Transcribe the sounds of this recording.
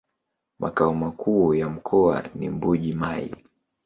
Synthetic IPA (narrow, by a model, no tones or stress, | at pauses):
mʔa̰kaɔmakuːjam̩kʰɔa̰nḭmbuʄimaḭ